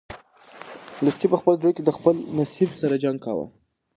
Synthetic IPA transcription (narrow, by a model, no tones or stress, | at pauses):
lʊst͡ʃipəxpəld̪ɾojked̪əxpəlnasibsaɾad͡ʒaŋɡ̚kɑ̰wa̰